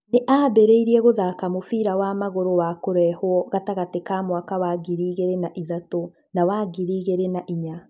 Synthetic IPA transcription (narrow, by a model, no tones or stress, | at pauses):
neʔabeɾeiɾiɛɣoðakamofiːɾawaːmaɣoɾowakoɾɛhwɔɣataɣatekaːmwakawaɡiɾiːɣeɾenaʔiðato | nawaːɣiɾiːɣeɾenaʔiɲa